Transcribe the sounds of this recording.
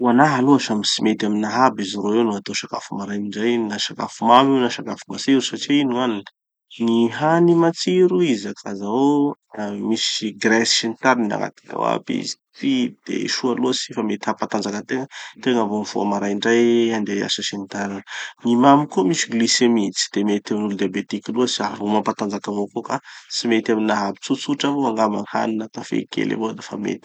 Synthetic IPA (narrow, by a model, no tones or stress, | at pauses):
uanaɦaluaʃamisimet̪aminaɦabiziɾoewnuat̪oʃaka̰fumaɾajniɳɖ͡ʐajnaʃaka̰fumamiwnaʃakafiumasiɾusaʈ͡ʂiinuanin | niɦanimat͡siɾuizakʰazao | amisiɡɾɛsʃenit̪aɾinna̰ŋa̰t̪i̥ka̰wa̰pḭzi̥ | t̪id̪̥ḛʃualuəsifamet̪ihapat̪and͡zakət̪eŋət̪eŋavomivo̰a̰maɾajɳɖ͡ʐajand̪ea̰sasint̪aɾinnimamikomisiɡlisemit͡si̥d̪̥emet̪aminuld̪iabet̪ikiluəsiaɾumampat̪and͡zakavokokasimet̪aminaɦapi̥t͡sut͡suʈ͡ʂavoaŋɡamaha̰ninat̪afḛkḛlʔḛvod̪efa̰mḛt̪i̥